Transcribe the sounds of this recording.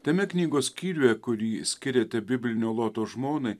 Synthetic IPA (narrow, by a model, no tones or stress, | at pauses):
t̪ʲɛmʲɛknʲiːɡoːskʲiːɾʲujɛkʊɾʲiːsʲkʲɪɾʲeːt̪ʲɛbʲɪbʲlʲɪnʲoːlˠoːt̪oːʒmoːnɐɪ